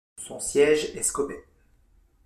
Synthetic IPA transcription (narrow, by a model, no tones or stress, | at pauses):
sɔ̃sjɛʒeskɔbɛ